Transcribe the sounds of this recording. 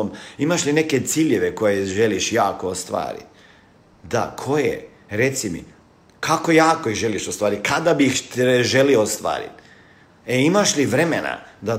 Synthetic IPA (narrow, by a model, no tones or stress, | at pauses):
mimaʃline̞ke̞t̪siːʎe̞ʋeko̞jeʒeliʃjaːkoost̪ʋa̰ːɾḭt̪ | d̪a̰kʰo̞jḛ | ɾe̞t̪simḭ | kʰako̞jaːkoiʒe̞liʃost̪ʋaːɾit̪̚kad̪abixt̪eʒe̞lioost̪ʋa̰ːɾḭt̪ | eimaʃliʋɾe̞mena̰d̪a